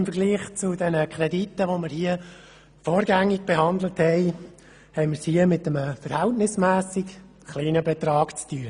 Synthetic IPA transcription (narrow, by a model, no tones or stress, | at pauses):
ɪmfəɾɡliːχt͡sʊdɛnəkʰɾɛditːəʋoməɾhiə | foːɾɡæŋːɪɡ̚b̥eɦɑndləthɛɪ | hɛɪməɾshiəmɪtəməfəɾhɛltnɪsmæːsɪk | χliːnəbɛt̪ɾɑːkt͡styə